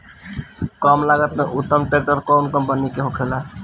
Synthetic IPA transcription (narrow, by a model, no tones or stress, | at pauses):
kɔmlaɡət̪meʔut̪ːəmʈek̚ʈəɾkonkəmpənikeɦokʰela